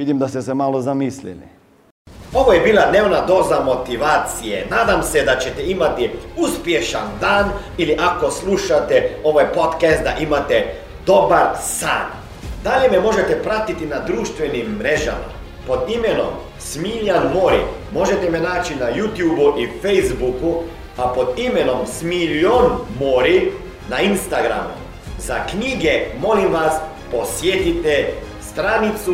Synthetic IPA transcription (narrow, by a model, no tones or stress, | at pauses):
ʋid̪imd̪ast̪ɛsemalozamislḭlḭ | o̞ʋojebiːlˠad̪neːʋnad̪o̞ːzamo̞t̪iʋaːt̪sijḛnaːd̪amsed̪at͡ɕet̪ɛimat̪iuspje̞ʃand̪aːn | iliʔako̞slˠuʃat̪ɛo̞ʋajpo̞t̪kɛst̪̚d̪a̰ʔimat̪e | d̪̥o̞baɾsa̰ːn | d̪aʎememo̞ʒet̪ɛpɾat̪it̪inad̪ɾuːʃt̪ʋenimːɾeʒa̰ma̰ | pod̪imeno̰m | smiʎanmoɾḭmo̞ʒet̪ɛmɛnaːt͡ʃinajuːt̪jubuʔifejzbuku | apod̪imeno̞msmiʎonmoɾi | nainst̪aɡɾa̰mṵ | zakɲiɡɛmolimʋas | posjet̪it̪ɛst̪ɾanit̪su